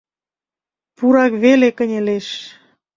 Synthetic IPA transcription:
puɾɑkβelekə̆nʲeleʃ

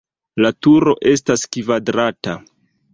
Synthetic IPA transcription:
latuɾo̞ʔe̞s̬taskivadɾata

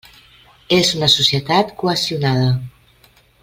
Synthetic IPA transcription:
ezunəsusjət̪at̪kuəsiunað̞ə

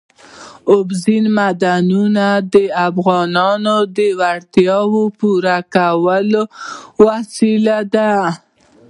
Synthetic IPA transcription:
ʊbzinmad̪anunad̪əafɣɑnɑnod̪əwaɽt̪jɑwopuɾakawəlowasilad̪a

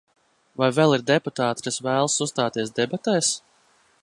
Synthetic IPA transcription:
vajvɛlˠiɾd̪ɛput̪aːt̪kasvæːlˠsust̪aːt̪iɛsd̪ɛbat̪ɛːs

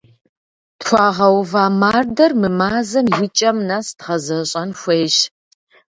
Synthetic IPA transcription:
txʷɑːʁɐwvaːmaːrdɐrmɨmaːzɐmjɪt͡ʃʼɐmnaːstʁɐzɐɕʼɐnxʷeːjɕ

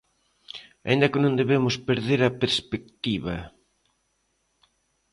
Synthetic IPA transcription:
a̰ĩnd̪ɐkɪnõnd̪eβemʊspeɾðeɾɐpeɾspek̚t̪iβɐ

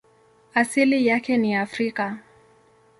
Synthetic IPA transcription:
asilijakɛniafɾika

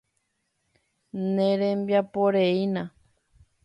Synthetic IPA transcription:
nẽɾẽmbjapoɾeinã

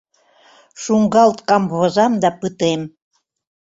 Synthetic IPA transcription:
ʃuŋɡɑlt̪kɑmβozɑmd̪ɑpɯt̪em

